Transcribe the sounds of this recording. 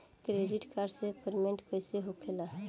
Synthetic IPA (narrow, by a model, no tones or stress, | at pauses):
kɾeɖiʈkʰaɾsepəɾmeɳʈkəɪseɦokʰela